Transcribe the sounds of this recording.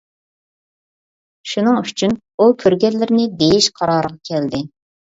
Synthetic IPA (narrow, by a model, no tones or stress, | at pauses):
ʃunɨŋyt͡ʃʰyn | ukʲʰøɾɡʲɛllːɪɾɪnɪd̪ejiʃqʰɑɾɑːɾəʁɑkʲʰɛld̪ɪ